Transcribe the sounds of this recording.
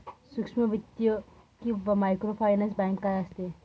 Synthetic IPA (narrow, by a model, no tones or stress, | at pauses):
suksmɐʋit̪jo | kiʋɐmajkɾopʰajnansbaŋkːajɐst̪e